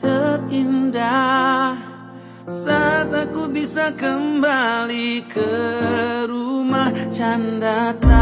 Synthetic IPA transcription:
t̪əp̚indah | sat̪akubisakəmbalikə | ɾumaht͡ʃandat̪a

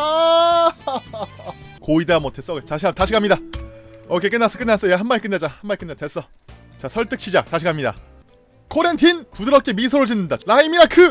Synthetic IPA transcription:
a | koidamwʌtes͈ʌɡetaɕʰiataɕʰiɡamɲida | ʌkʰek͈ɯnːas͈ʌk͈ɯnːas͈ʌjaɦanmaɲik͈ɯndad͡ʑahanmaɲikɯndete̞s͈ʌ | t͡ɕasʰʌɭt͈ɯk̚t͡ɕʰid͡ʑataɕ̬ʰiɡamɲida̰ | kʰoɾentʰinpudɯɾʌp̚k͈e̞misʰoɾɯd͡ʑinːɯndaɾaimiɾakʰɯ

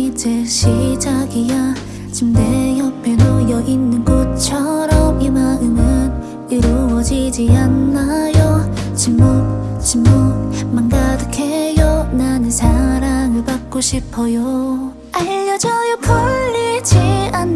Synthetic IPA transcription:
id͡ʑeɕʰid͡ʑaɡija | t͡ɕimdejʌpʰenojʌʔinːɯnɡot̚t͡ɕʰʌɾʌmimaɡɯmɯn | iɾuwʌd͡ʑid͡ʑianːajo | t͡ɕimːot͡ɕimːomanɡadɯkʰejonanɯnsʰaɾaŋɯɭbak̚k͈oɕʰipʰʌjo | aʌd͡ʑʌjopʰʌɭːid͡ʑian

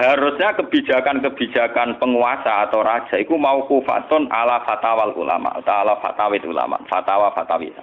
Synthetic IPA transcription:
haɾʊsɲakəb̥i̤̥d͡ʒ̥a̤kankəb̥i̤̥d͡ʒ̥a̤kanpəŋuasaːt̪awɾad̥ʒ̥a̤ikumaukufa̰t̪ʊnalafat̪awalṵla̰ma̰ʔt̪aalafa̰t̪awɪt̪ṵla̰ma̰fat̪awafat̪awḭsa

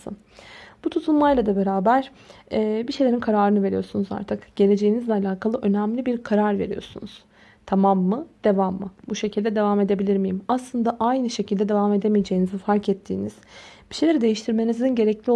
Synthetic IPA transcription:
ɯ̰n | b̥ut̪ʰut̪ʰunmajlˠad̪abe̞ɾaːbæɾ̥ | ɛːbiʃe̞jlʲeɾinkʰaɾaːɾɯnɯve̞ɾijo̞ɾsunuza̰ɾt̪ʰɯkɟ̥e̞lʲe̞d͡ʒe̞jinizlʲɛalʲaːkʰalˠɯʔø̞næmlʲibiɾkʰaɾaɾve̞ɾḭjo̞̰ɾsṵnuz̥ | t̪ʰamamːɯd̪̥e̞vamːɯbuʃe̞cʰilʲd̪ɛd̪e̞vame̞d̪e̞bilʲiɾmijimaslˠɯnd̪aʔajnɯʃe̞cʰild̪ɛd̪e̞vame̞d̪e̞mijed͡ʒe̞jinizifaɾkɛt̪ʰːḭːniz̥ | b̥iʃelʲe̞ɾid̪e̞jiʃt̪ʰiɾme̞nizinɟe̞ɾɛclʲio

